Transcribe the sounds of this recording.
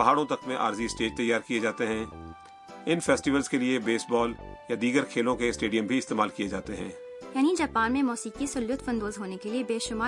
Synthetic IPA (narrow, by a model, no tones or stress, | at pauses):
pɐɦaːɽõt̪ɐkmẽʔa̰ːɾziɪsʈeːd͡ʒt̪ɐjːaːɾkijed͡ʒaːt̪eɦɛ̃ː | ɪnfʰɛːsʈiʋəlzkeliebeːsbɔːljad̪iːɡəɾkʰeːlõkeɪsʈeːɖijə̃mbʱiɪst̪eːmaːlkijed͡ʒaːt̪eɦɛ̃ː | jaːnid͡ʒaːpaːnmẽmɔːsiːkisʊljʊt̪fɐ̃nd̪oːzɦoːnekeliebeːʃʊmaː